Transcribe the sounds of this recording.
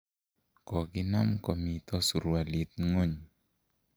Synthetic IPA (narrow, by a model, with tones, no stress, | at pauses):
kɔ˨ɡɪ˦na˦mkɔ˨mi˨t̪ɔ˦su˨ɾu˨wa˨li˨t̪̚ŋo˦ɲ